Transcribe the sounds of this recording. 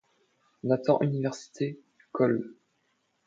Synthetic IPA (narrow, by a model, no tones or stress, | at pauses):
ɔ̃nat̪ɑ̰̃ʔynivɛʁsi̥t̪ʰe | kʰɔl